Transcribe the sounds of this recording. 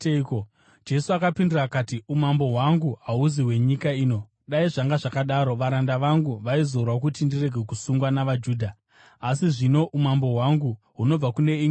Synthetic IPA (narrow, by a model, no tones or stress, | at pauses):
ko | d͡ʒe̞suakapindirakatiumambo̞ɦwaŋɡuɦauziwe̞ɲikaiːno̞ | ɗaiʐaŋɡaʐakaɗaːɾo̞ʋaɾandaʋaŋɡuʋaizorwak̬utindire̞ɡʱe̞kusuŋɡwanaʋad͡ʒuːdʱa | asiʐino̞ʔumambo̞ɦwaŋɡu | ɦuno̞b͡vakune̞i